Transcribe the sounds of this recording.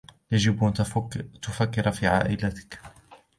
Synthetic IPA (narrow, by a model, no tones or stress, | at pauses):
jad͡ʒɪbʔant̪ʊfakːɪɾafiːʕa̰ːʔɪlat̪ɪ̥k